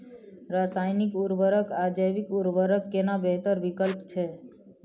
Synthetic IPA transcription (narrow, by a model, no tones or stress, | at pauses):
ɾasaːjnikuɾʋəɾəkad͡ʒəjbikuɾʋəɾəkːenabeɦt̪əɾbikəlpt͡ʃʰɛ